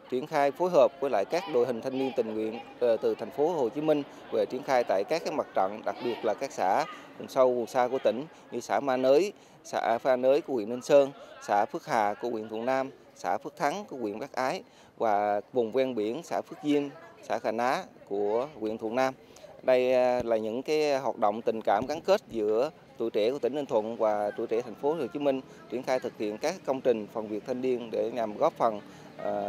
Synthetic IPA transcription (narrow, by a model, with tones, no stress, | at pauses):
t͡ɕwi˧˩ənxaː˧jfo˨˦jɦəː˨˩p̚ku˨˦la̰ː˧˨jkaː˦˥k̚ɗo̰˧˨jhï˨˩ŋ̟t̪ʰa˧ŋni˧ənt̪ï˨˩ŋ̟ŋwḭ˧˨ən | t̪ɨ˨˩t̪ʰɛ˨˩jŋ̟fo˨˦ho˨˩t͡ɕi˨˦mï˧ŋ̟ | ve˨˩t͡ɕwi˧˩ənxaː˧jt̪a̰ː˧˨jkaː˦˥k̚ːaː˦˥j̚ma˨˩t̚t͡ɕɔ̰˧˨ŋɗa˨˩k̚ɓi˨˩ət̚laː˨˩kaː˦˥k̚sa̰ː˧˥kʊ˨˩ŋ͡msə˧wvʊ˨˩nsaː˧ku˧˩ət̪ï˧˩ŋ̟ | ɲɨ˧saː˧˩˥maː˧nəː˨˦j | sa̰ː˧˥faː˧nəː˨˦jku˨˧˩əwḭ˧˨əni˧ŋ̟səː˧nsa̰ː˧˥fɨ˦˥ək̚ha̰ː˨ku˧˩əwḭ˧ənt̪ʰṵ˧˨ənaː˧m | sa̰ː˧˥fɨ˦˥k̚t̪ʰa˨˦ŋku˧˩əkwḭ˧ənɓaː˦˥k̚ʔaː˨˦j | vaː˨˩vʊ˨˩ŋ͡mkwɛ˧nɓi˧˩ənsa̰ː˧˥fɨ˦˥ək̚zi˧əmsa̰ː˧˥xaː˧˩nʔaː˨˦˥ku˧˩əkwḭ˧˨ənt̪ʰṵ˧˨ənaː˧m | ɗə˧jlaː˨˩ɲɨ̰˧˥ŋkaː˨˦jɦwaː˨˩t̚ɗo̰˧˨wŋ͡mt̪ï˨˩ŋ̟kaː˧˩mɣa˨˦ŋke˦˥t̚zɨ̰˧˥ə | t̪ṵ˧˨jt͡ɕe˧˩ku˧˩ət̪ï˧˩ŋnə˧nt̪ʰwə̰˧˨nvaː˨˩t̪ṵ˧˩jt͡ɕḛ˧˥t̪ʰɛ˨˩ŋ̟fo˨˦lɨ˨˩t͡ɕi˨˦mï˧ŋ̟ | t͡ɕi˧˩ənxaː˧jt̪ʰɨ˨˩k̚hḭ˧˨ənkaː˦˥kːə˧wŋ͡mt͡ɕï˨˩ŋ̟fə˨˩nvi˨˩ək̚t̪ʰə˧nɗi˧ənɗe˧˩ɲa˨˩mɣɔ˦˥p̚fə˨˩n˩